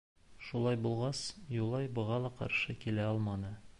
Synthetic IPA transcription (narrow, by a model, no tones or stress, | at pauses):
ʃulˠɑjbulˠʁɑsjulˠɑjbɤ̆ʁɑlˠɑqɑ̰ɾʃɤkilæɒlˠmɑnɤ